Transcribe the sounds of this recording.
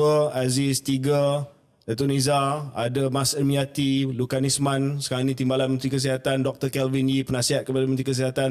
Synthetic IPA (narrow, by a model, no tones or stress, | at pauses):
əazist̪iɡa | dat̪unizaadamasəmiat̪ilukanismãnsə̥kaanĩt̪imbalanmənt̪ɾikəs̬iɦat̪andɔk̚t̪əkɛlvinipənãsiɦat̪̚kəpadamə̃nt̪ɾikəs̬iɦat̪an